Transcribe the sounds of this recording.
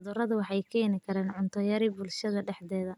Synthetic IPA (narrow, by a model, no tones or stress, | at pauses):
ðɔrɐðɐwɑħɑjkʰɛːnɪkʰɐɾaːnʕʊnt̪ʰɐjɐɾɪbʊlʃɐðɐɖɛħd̪ɛːðɐ